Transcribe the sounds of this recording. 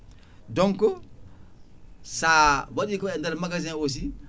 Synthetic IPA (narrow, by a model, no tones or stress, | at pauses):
dɔŋko | sawaɗikɔɛndeɾmaɡazĩnos̬i